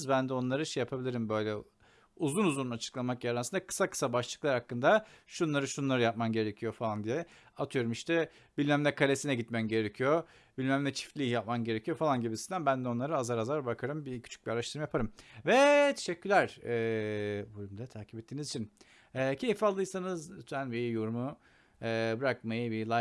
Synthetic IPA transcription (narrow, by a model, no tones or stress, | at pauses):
zbænd̪ɛo̞nlˠaɾɯʃɛjapʰabilʲiɾimbø̞jlʲɛ | uzlˠunuzˠunnat͡ʃʰɯ̥klˠamakjaɾansɯnd̪akʰɯ̥sakʰɯ̥sabaʃlˠɯklˠaɾhakːɯnd̪aʃunlˠaɾɯʃunlˠaɾɯjap̚mamɟe̞ɾecʰijo̞falˠand̪ijɛ | at̪ʰɯjo̞ɾumiʃt̪ɛ | b̥ilʲmæmlʲɛkʰalʲesinɛɟit̪mæmɟe̞ɾecʰijo̞ | bilʲmæmlɛt͡ʃʰi̥flʲijap̚mamɟe̞ɾecʰijo̞falˠanɟibisind̪ænbænd̪ɛo̞nˠaɾɯazaɾazaɾbakʰaɾɯmbicʰy̥t͡ʃʰy̥biaɾaʃt̪ʰɯɾmajapʰaɾɯmvɛt̪ʰeʃɛcʲːylʲæɾ̥ɛːbolʲymd̪ɛt̪ʰaːcʰi̥pɛt̪ʰːiːnizit͡ʃʰin | ɛːcʰe̞jfalˠːɯjsanɯzyt̪ʰænbijuɾumu | ɛːbɯɾak̚majɯbilˠa